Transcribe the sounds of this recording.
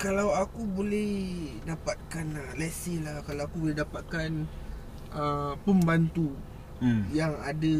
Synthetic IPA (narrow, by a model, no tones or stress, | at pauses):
kalawakubolɛhdapat̪̚kanəlɛsilahkalawakubolɛɦdapat̪̚kan | əpəmbant̪u | jaŋadə